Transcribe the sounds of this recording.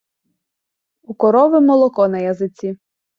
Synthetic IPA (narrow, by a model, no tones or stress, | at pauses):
ukɔɾɔʋɪmɔlˠɔkɔnɐjɐzɪt͡sʲi